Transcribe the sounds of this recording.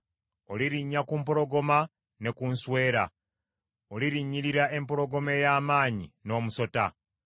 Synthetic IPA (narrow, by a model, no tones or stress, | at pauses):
o̞liɾiɲːakumpo̞ɾo̞ɡo̞ma | ne̞kunswe̞ːɾa̰ | o̞liɾiɲːiɾiɾaʔe̞mpo̞ɾo̞ɡo̞me̞jaːmaːɲino̞ːmuso̞ta̰